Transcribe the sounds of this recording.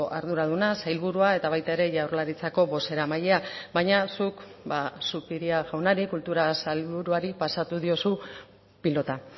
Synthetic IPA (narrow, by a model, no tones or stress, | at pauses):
ʔaɾðuɾaðunasajlβuɾuae̞t̪aβ̞ajt̪ae̞ɾe̞ʝawrlaɾit͡sako̞βo̞se̞ɾamaʎe̞abajɲasuk | basupiɾiaɣawnaɾikult̪uɾasalβuɾuaɾipasat̪uðio̞su | pilo̞t̪a